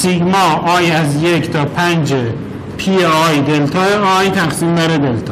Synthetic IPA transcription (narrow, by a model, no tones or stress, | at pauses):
siɡʲmɒɒːjæzjekʰt̪ʰɒːpʰænd͡ʒe | pʰieɒjd̪elt̪ʰɒeɒːjt̪ʰæqsimbæɾed̪elt̪ʰɒ